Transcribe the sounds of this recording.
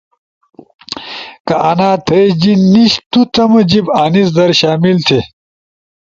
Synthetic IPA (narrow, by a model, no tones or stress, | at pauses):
kɐʔɐnaːt̪ʰɐjd͡ʑinːiɕt̪ut̪ʰɐmɐd͡ʑibaːnis̬d̪ɐɾɕaːmilt̪ʰe